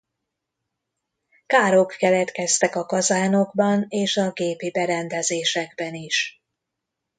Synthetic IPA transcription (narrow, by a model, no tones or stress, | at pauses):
kaːɾo̞kːɛlɛt̪kɛst̪ɛkɒkɒzaːno̞ɡbɒneːʃɒɡeːpibɛɾɛnd̪ɛzeːʃɛɡbɛniʃ